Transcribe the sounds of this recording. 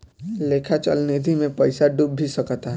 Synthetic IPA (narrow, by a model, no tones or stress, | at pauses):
leːkʰat͡ʃə̰lnid̪ʱimẽpəɪsaɖubʱisəkt̪aɦ